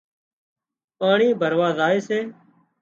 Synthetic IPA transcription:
paːɳiːbʱəɾʋaːzaːeːseː

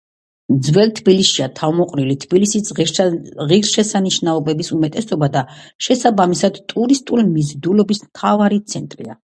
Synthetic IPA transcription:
md̪zvɛlt̪ʰbiliʃiat̪ʰavmɔqʼɾilit̪ʰb̥ilisi | ʁiɾʃɛsaniʃnaɔbɛbisumɛt̪ʼɛsɔbad̪aʃɛsabamisad̪t̪ʼuɾist̪ʼulimizd̪ulɔbismt̪ʰavaɾit̪sʰɛnt̪ʼɾḭa̰

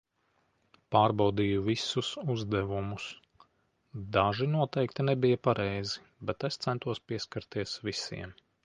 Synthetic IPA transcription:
paːɾbawd̪ijuvisusuzd̪ɛvumus | d̪aʒinuɔt̪ɛjkt̪inɛbijɐpaɾʔɛjzi | bɛt̪est̪sɛnt̪uɔspiɛskaɾt̪iɛsvisḭɛm

